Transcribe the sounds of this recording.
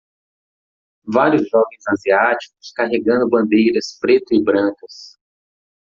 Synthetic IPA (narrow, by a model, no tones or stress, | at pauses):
vaɾjʊzʒɔvẽj̃zaziat͡ʃi̥kʊ̥skaɦeɡɐ̃nd̪ʊbɐ̃nd̪ejɾɐspɾet̪ʊɪbɾɐ̃kɐs